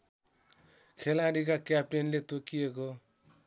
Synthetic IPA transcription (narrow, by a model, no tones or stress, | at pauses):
kʰelaɽik̬akjap̚ʈenlet̪okieko